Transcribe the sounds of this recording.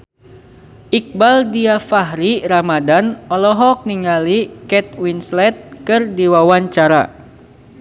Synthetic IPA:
ʔik̚baldiafaɦɾiɾamadanɔlɔɦɔk̚niŋalikɛt̪̚winslɛt̪̚kɨrdiwawaɲt͡ʃaɾa̰

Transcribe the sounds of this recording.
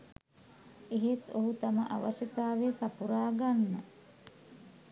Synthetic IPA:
eɦet̪oɦut̪aməʔa̰ʋaʃət̪aːʋesapuɾaːɡanːə

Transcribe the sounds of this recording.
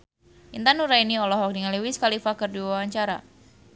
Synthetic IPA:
ʔint̪anuɾainiɔlɔɦɔk̚niŋaliwiskalifakərdiwawaɲt͡ʃaɾa̰

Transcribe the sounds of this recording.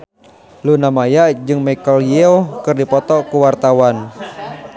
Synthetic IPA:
lunamajad͡ʒɨŋmakaljɛɔkɨrdipɔt̪ɔkuwart̪awan

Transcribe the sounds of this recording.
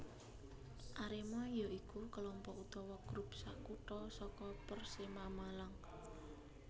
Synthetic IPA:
ʔaɾemɔjɔʔikukəlɔmpɔʔut̪ɔwɔɡ̥ɾup̚saʔkuʈɔsɔkɔpərsemamalaŋ

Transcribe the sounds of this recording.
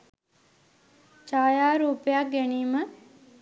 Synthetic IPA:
t͡ʃaːjaːɾuːpejak̚ɡæniːmə

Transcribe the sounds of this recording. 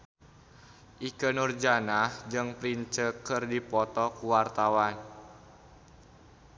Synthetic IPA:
ʔikənurd͡ʒanahd͡ʒɨŋpɾiɲt͡ʃəkɨrdipɔt̪ɔkuwart̪awan

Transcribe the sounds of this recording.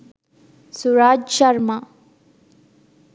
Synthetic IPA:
suɾaːd͡ʒʃɐɾma

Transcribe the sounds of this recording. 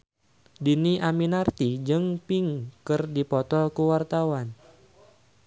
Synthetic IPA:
diniʔaminart̪id͡ʒɨŋpiŋkɨrdipɔt̪ɔlkuwart̪awan

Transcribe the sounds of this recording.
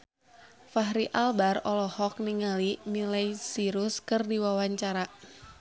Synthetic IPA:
faɦɾiʔalbarɔlɔhɔk̚niŋalimilajsiɾʊskɨrdiwawaɲt͡ʃaɾa

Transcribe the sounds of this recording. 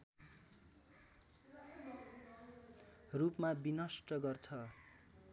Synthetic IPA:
rupmabinʌsʈʌɡʌrt͡sʰʌ

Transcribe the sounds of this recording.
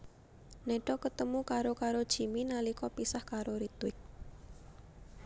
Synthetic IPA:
neɖɔkət̪əmukaɾokaɾod̥ʒ̥i̤minalikɔpisahkaɾoɾit̪wɪk̚

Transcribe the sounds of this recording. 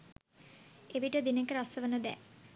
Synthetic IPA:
eʋiʈəd̪inekəɾasəʋənəd̪ɛ

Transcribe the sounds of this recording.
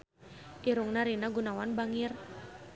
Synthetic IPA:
ʔiɾuŋnaɾinaɡunawanbaŋɪr

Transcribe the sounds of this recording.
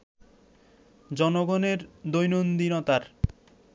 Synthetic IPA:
d͡ʑɔnoɡoneɾd̪ojnond̪inɔt̪aɾ

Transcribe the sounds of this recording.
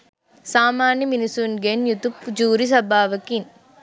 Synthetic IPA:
saːmaːnjɐminisuːnɡenjut̪upːd͡ʒuːɾis̬ɐbaːʋɐkin

